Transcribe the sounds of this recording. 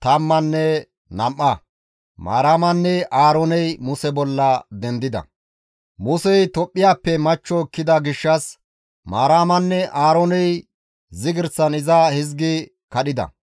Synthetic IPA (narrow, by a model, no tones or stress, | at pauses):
t̪ɐmːɐnːɛ | nɐmʔːɐ | ma̰ːɾaːmɐnːɛʔaːɾonɛjmʊsɛbɔlːɐd̪ɛnd̪ɪd̪ɐ̰ | mʊsɛjt̪ɔpʼːɪjaːpːɛmɐt͡ʃːɔkːɪd̪ɐɡɪʃːɐs | maːɾaːmɐnːɛʔaːɾonɛj | zɪɡɪɾt͡sːɐnɪzahɪzɡɪ | kɐɗɪd̪ɐ̰